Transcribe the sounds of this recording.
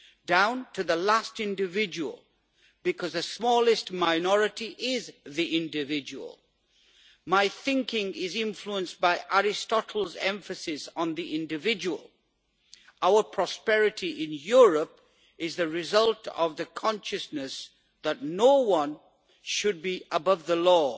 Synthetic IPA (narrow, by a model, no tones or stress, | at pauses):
dãʊ̃ntʰɨðəlæstɪ̃ndɨvɪd͡ʒəwə̰l̩ˠ | b̥ɨkʰʌzðɨsmɔlˠɨstmaɪnɔɹɨtiʔɪzðiʔɪ̃ndɪvɪd͡ʒəwə̰lˠ | maɪθɪ̃ŋkɪ̃ŋɪzɪ̃ɱfluə̃nsbaɪʔæɹɪstɑɾʰl̩ˠzɛ̰̃ɱfɨsɪsn̩ðiʔɪ̃ndɨvɪd͡ʒəwə̰lˠ | aʊə˞pʰɹ̥ɔspɛɹɨtʰiʔɪ̃njʊɹəp | ɪzðɨɹɪzʌlˠtʰʌ̰vðɨkʰɑ̃nʃɨsnɨs | ðətⁿnoʊwʌ̃n | ʃɨd̚biʔəbʌvðəlɔ